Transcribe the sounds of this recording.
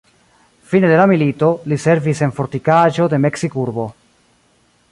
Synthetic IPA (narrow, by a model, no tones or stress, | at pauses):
fine̞de̞lamilito̞lise̞ɾvise̞nfo̞ɾt̪ikaʒo̞d̪e̞me̞ksikuɾbo̞